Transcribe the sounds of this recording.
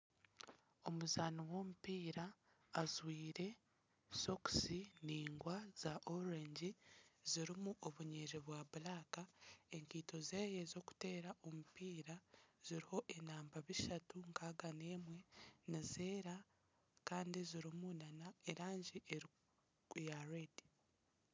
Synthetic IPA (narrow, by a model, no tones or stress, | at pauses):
o̞muzaniwo̞ːmupiːɾaː | zwiːɾe̞ | so̞ksiniːŋɡwaz̥aʔoɾeɲɟiziɾimuʔoβuɲeɾiβwaβulakae̞ŋkiːto̞zeːjezo̞ːku̥te̞ːɾaʔo̞mupiːɾaz̥iɾiho̞ʔe̞naːmbaβiʃatuŋkaɡane̞ːmwe̞nize̞ːɾa | kaːndiziɾimunanaeɾaːɲɟiʔeɾ | jaɾedi̥